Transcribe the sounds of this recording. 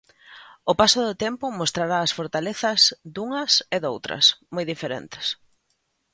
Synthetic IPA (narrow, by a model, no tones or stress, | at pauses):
ʊpasʊðʊt̪empʊmost̪ɾaɾaːsfoɾt̪aleθɐzd̪uŋɐsɪðowt̪ɾɐ̰smojðifeɾḛnt̪ɪ̥s